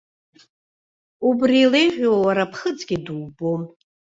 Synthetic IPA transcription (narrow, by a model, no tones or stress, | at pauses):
ubrilejʁʲʷᶣoawaɾapʰχət͡sʼɡʲiduwbom